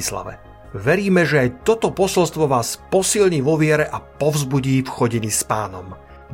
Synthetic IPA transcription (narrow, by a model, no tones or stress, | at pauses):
isla̰ʋɛ̰ | ʋɛɾiːmɛʒɛajt̪ɔt̪ɔpɔsɔlst̪ʋɔʋaːspɔsilɲiːʋɔʋɪɛɾɛʔapɔvzbuɟiːfxɔɟiɲispaːnɔm